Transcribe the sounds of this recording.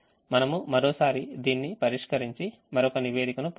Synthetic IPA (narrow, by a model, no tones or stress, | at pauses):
mɐnɐmumɐɾoːsaːɾid̪iːnːipɐɾiʂkɐɾiɲt͡ʃi | mɐɾɔkɐniʋeːɽikɐnup